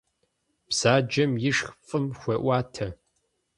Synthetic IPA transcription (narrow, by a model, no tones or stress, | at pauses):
psaːd͡ʒɐmjɪʂxfʼɨmxʷɐʔʷaːtʰɐ